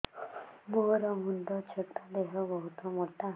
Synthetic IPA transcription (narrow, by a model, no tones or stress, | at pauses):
moɾɔmund̪ɔt͡ʃʰet̪ad̪eɦɔbɔɦut̪ɔmoʈa